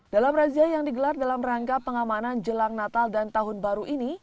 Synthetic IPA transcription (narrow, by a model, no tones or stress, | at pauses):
d̥alamraziajaŋdiɡəlardalamraŋɡapəŋamanand͡ʒəlaŋnat̪aldant̪aɦʊnbaɾuʔini